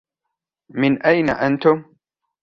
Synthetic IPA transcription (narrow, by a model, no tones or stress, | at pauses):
mɪnʔajnaʔant̪ʊm